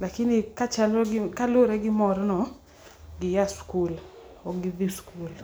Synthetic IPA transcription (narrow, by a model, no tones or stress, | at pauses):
lakɪnɪkat͡ʃalɔɡɪkaloɾɛɡɪmɔɾɔnɔ | ɡɪjaskul | ɔɡɪdiskul